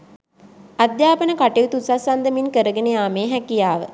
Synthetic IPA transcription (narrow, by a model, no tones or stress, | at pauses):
ad̪jaːpənəkaʈeut̪usasand̪əminkəɾəɡənejaːmeːɦækijaːʋə̰